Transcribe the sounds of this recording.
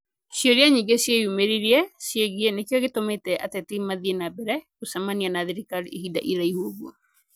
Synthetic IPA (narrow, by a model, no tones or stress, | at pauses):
ʃiɔɾiaɲiŋɡesjejumeɾiɾiɛsjeɣienekjɔɣetometɛʔa̰tetimaðienabɛɾɛkosamanianaðiɾikalihida̰ʔiɾaihuoɣuɔ